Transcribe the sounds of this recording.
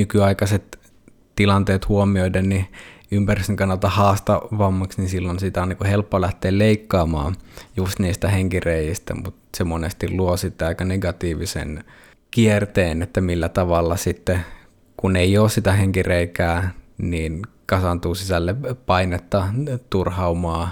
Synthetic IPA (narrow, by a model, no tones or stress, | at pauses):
nykyɑikɑset̪ | t̪ːilɑnt̪eːt̪huomioidenniympæryst̪eŋkɑnːɑlt̪ɑhɑːst̪ɑʋɑmːɑksninsilːonsit̪æonːikuhelpːolæht̪eːlleikːɑːmɑ̰ːjust̪niːst̪æheŋkireijist̪æ̰mut̪semonest̪illuosit̪ːæɑikɑneɡɑt̪iːʋisḛn | kiert̪eːnet̪ːæmilːæt̪ɑʋɑlːɑsit̪ːe | kuneijoːssit̪æɦeŋkireikæːniːnkɑsɑnt̪uːsisælːepɑinet̪ːɑt̪urhɑumɑː